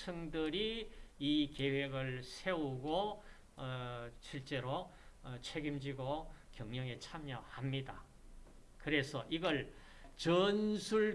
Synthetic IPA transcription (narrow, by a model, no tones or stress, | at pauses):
sʰɯŋdɯɾiike̞we̞ɡɯɭsʰe̞uɡo | ɕʰiɭt͡ɕ͈e̞ɾot͡ɕʰeɡimd͡ʑiɡokjʌŋmɲjʌŋet͡ɕʰamjʌhamɲida | kɯɾe̞sʰʌʔiɡʌɭ | t͡ɕʌnsʰuɭ